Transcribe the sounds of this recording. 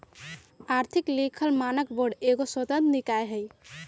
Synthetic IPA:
aɾt̪ʰiklikʰəlmanəkboɖeɡoswət̪ə̃nt̪nikajɦəj

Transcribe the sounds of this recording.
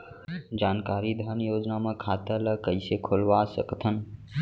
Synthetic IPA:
d͡ʒaːnkaːɾid̪ʱənjoːd͡ʒnamə̃kʰaːt̪ələkəisekʰolʋasəkt̪ʰən

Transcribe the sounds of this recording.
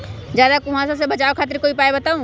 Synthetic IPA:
d͡ʒjaːd̪akʊʋãsas̬ebɐt͡ʃaːokʰaːt̪ɪɾkoːipaːebɐt̪aːũ

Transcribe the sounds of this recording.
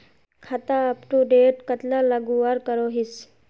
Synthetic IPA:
kʰat̪aːpʈuɖeːʈkət̪laləɡuaɾkəɾoɦis

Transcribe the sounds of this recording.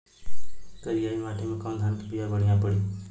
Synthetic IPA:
k̪əɾijaimaʈʰimekamd̪ʱankebijabəɽ̤ijãpəɽi

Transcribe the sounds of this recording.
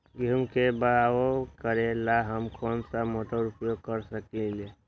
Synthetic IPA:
ɡumkebəawokəɾelaɦəmkʰonsamoʈəɾupjoɡ̚kəɾsəkile

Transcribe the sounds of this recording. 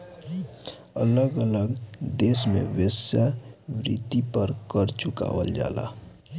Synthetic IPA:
ə̰ləɡələɡd̪eːsmḛ̃ʋəsaʋɾḭt̪ipəɾkəɾt͡ʃʊka̰ʋə̰ld͡ʒa̰ːla̰

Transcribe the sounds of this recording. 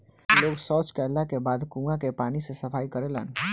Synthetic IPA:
loɡsɔt͡ʃkəɾlakebad̪kũãkepanisesəpʰaikəɾelə̰n

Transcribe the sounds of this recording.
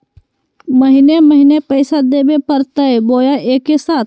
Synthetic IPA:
məɦɪneməɦɪnepəɪsad̪eːbepəɾt̪əeboːjaʔeːkːesaːt̪ʰ

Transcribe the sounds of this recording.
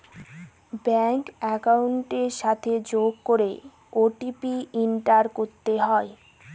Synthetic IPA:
bɛŋkɛkauɳʈeɾʃat̪ʰed͡ʑoɡ̚koɾe | oʈipiiɳʈaɾkoɾt̪eɦɔe

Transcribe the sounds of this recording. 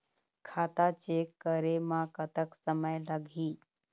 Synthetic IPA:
kʰaːt̪at͡ʃeːkːəɾemãkət̪əksəməjləɡʱiː

